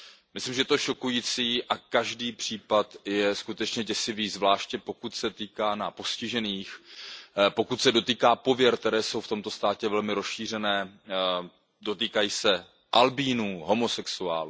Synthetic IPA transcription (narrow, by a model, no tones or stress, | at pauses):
mɪslimʒɛt̪o̞ʃo̞kujiːt͡siːʔakaʒdiːpr̝̥iːpat̪jɛskut̪ɛt͡ʃɲɛɟɛsɪviːzvlaːʃcɛpo̞kut̪sɛt̪iːkaːnapo̞scɪʒɛniːx | po̞kut̪sɛdo̞t̪iːkaːpo̞vjɛɾkt̪ɛɾɛːso̞wft̪o̞mt̪o̞st̪aːcɛvɛlmɪɾosʃiːr̝ɛnɛː | do̞t̪iːkajiːsɛ | ʔalbiːnuːɦo̞mo̞sɛksua̰ːlu